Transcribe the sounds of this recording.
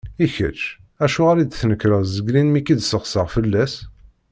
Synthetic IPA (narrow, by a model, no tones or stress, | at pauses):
içə̰t͡ʃː | æʃuʁaɾid̪θnəkːɾəzəɡɾinmikid̪səʁsəʁfəlːæs